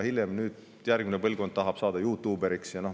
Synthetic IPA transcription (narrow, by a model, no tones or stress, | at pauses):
hiljemnyːd̪̥ | jærɡ̥minepɤlɡkod̪t̪ɑɦɑb̥sɑːd̪ɑjuːt̪ːˑuːbeɾiksjɑno